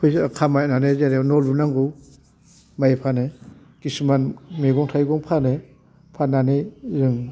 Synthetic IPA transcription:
kʰɯjkʰamajnanezeɾenɔlunaŋɡu | majepʰane | ɡ̥ismanmeɡɔŋtʰajɡɔŋpʰane | pʰanːanezɯŋ

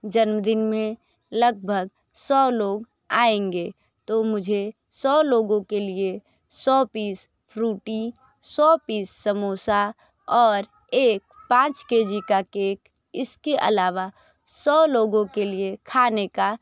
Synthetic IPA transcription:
d͡ʒənmd̪ɪnmẽ | ləɡ̚bʱəɡ | sɔːloːɡ | aːẽŋɡe | t̪omʊd͡ʒʱe | sɔːloːɡõkelie | sɔpiːs | pʰɾuːʈi | sɔpiːsːəmosa | ɔːɾ | eːk̚pãːt͡ʃkeːd͡ʒikakek | ɪskeʔə̰laːʋa | sɔloːɡõkeliekʰaːneka

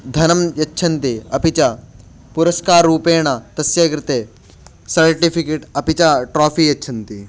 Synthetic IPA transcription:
d̪ʱɐnɐmjɐtːʃʰɐnt̪eɐpit͡ʃa | puɾɐskaːɾːuːpeːɳ̃at̪ɐsjɐkɾɪt̪e | sɐɾʈipʰikeːʈɐpit͡ʃaʈɾoːpʰiːjɐtːʃʰɐnt̪i

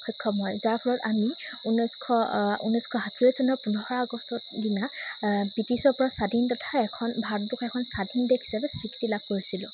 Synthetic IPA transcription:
kʰɔkʰːɔmɔjzaɹpʰɔlɔtami | unɔjskʰɔṵnɔskʰɔɦatʰuɹezɔnɔpunɔhɔɹaɡɔstɔtdina | bitisɔɹpɔɹasadʱintɔtʰaɛkʰɔnbʱadukʰɛkʰɔnsadʱindekʰɦi̥sabɛsɹiki̥tilab̚koɹisilʊ̰̃

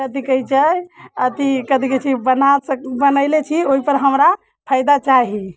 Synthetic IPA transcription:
kət̪ikəit͡ʃəət̪ikət̪iket͡ʃʰibənasəkbənəɪlet͡ʃʰioɦipəɾɦəmɾa | pʰaɪjd̪at͡ʃaɦi

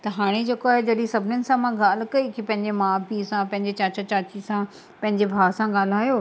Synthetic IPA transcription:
t̪ɐɦaːɽ̃ed͡ʑeːkoaːɦed͡ʑɐɗĩsɐbʱɪnənɪ̆sãmãɡaːl̤̆kɐikipɐ̃ɦɪ̃ɲd͡ʑemãːpiːsãpɐ̃ɦɪ̃ɲ̆d͡ʑet͡ɕaːt͡ɕat͡ɕaːt͡ɕisã | pɐ̃ɦɪ̃ɲd͡ʑebʱaːsãɡaːl̤aːjoː

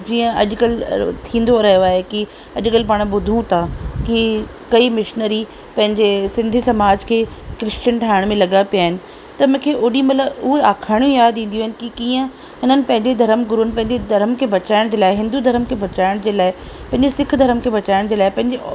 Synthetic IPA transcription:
d͡ʑiːə̃ɐ̰ʄkəlt̪ʰĩːn̆d̪oɾɐɦijoaːɦeki | ɐʄʊkəlpaːɽ̃bʊd̪ʱũt̪ʰaki | kɐimɪʃnəɾi | pɐ̃ɦɪ̃ɲd͡ʑesɪ̃nd̪ʱisɐmaːd͡ʑkʰeːkɾɪst͡ɕənʈʰaːɪɽ̃mẽlɐɠapijaːɦɪnɪ̆ | t̪ɐmʊ̃ːkʰeːʔoːɗimɐt̪ləbʊɦeaːkʰaːɽ̃jũjaːd̪ĩːn̆d̪iũoɦɪnɪ̆kikiːə̃ | ɦɪnənɪ̆pɐ̃ɦɪ̃ɲd͡ʑed̪ʱɐɾəmɡʊɾunɪpɐ̃ɦɪ̃ɲd͡ʑed̪ʱɐɾəmkʰeːbɐt͡ɕaːɪɽ̃d͡ʑeːlaːɪɦɪ̃nd̪ud̪ʱɐɾəmkʰeːbɐt͡ɕaːɪɽ̃d͡ʑeːlaːɪ | pɐ̃ɦɪ̃ɲd͡ʑesɪkʰd̪ʱɐɾəmkʰeːbɐt͡ɕaːɪɽ̃d͡ʑeːlaːɪpɐ̃ɦɪ̃ɲd͡ʑe

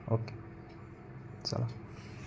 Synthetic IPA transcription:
okːe | sɑ̰lɑ

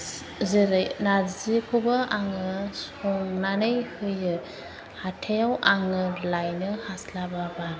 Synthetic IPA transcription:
zeɾɯjnazikʰubaaŋɯs | ɔŋnanɯjhɯjɯ | hatʰejawaŋɯlajnɯhaslababa

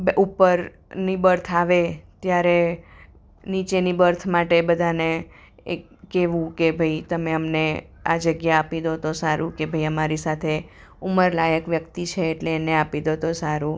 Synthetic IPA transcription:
bʔupəɾ | nibəɾt̪ʰaʋet̪jaɾe | nit͡ʃenibəɾt̪ʰmaʈebəd̪ʱane | e | keʋũkebʱəit̪əmeəmne | ad͡ʒəɡjaːpid̪ot̪osaɾũkebʱəiəmaɾisat̪ʰe | uməɾlajəkʋjəkt̪it͡ʃʰeːʈleːneapid̪ot̪osaɾu

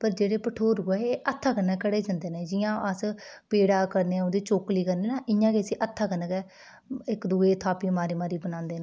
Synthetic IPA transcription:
pəɾd͡ʒeːɽeːpəʈʰoːɾuɛeːʔət̪ʰːaːkənəkəɽeːd͡ʒãːnd̪eːnẽːd͡ʒɪjãːʔəspeːɽaːkəɾneːod̪iːt͡ʃoːkliːkəɾneːnãːʔɪjãːkesiːʔət̪ʰːaːkənəkɛ | ɪkd̪uːeːt̪ʰaːpiːmaːɾiːmaːɾiːbənãːnd̪eːnaː

